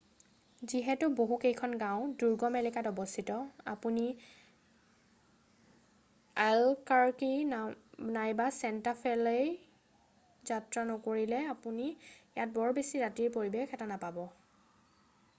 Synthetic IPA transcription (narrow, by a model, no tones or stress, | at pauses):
ziɦɛtʊboɦukejkʰɔnɡãʊ̃duɹɡɔmɛlɛkatɔbɔstʰitɔa̰puni | alkaɹki | najbasɛntapʰɛlej | zatɹanɔkoɹilɛapunijat̚bɔɹbesiɹatiɹpoɹibexɛtanapabɔ